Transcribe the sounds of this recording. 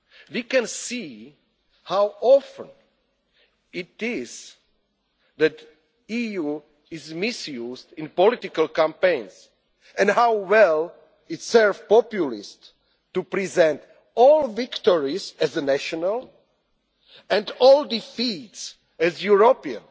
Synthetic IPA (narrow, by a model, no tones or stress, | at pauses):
wikɛ̃nsi | hawɔfə̰̃n | ɪtɪz̥ | ðæt | iju | ɪzmɪsjuzdɪ̃npɔlɪtɪkalˠkãmpẽɪ̃ns | ɛ̃ndhawwɛlˠ | ɪtsɛɹvpɔpjulist | tːupɹizɛ̃nt | ɔlˠvɪktɔɹizɛzənæʃɔnal | ɛ̃ndɔlˠdifits | ɛzjuɹopiə̰̃n